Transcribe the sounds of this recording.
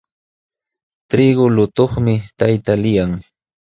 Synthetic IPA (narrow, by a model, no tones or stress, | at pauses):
t̪ɾɪɡʊlʊt̪oχmɪt̪ajt̪alɪjaŋ